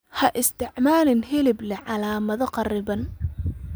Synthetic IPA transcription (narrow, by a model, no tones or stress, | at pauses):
hɐʔɪst̪ʰɪʕmaːlɪnhɪlɪblɛʕɑlaːmɐðɔqɑrɪβɐn